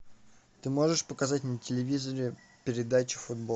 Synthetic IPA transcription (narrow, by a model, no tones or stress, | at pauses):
t̪ɨmo̞ʐɨʂpəkɐzatʲnətʲɪlʲɪvʲizəɾʲɪ | pʲɪɾʲɪd̪at͡ɕɪ̥fʊd̪bo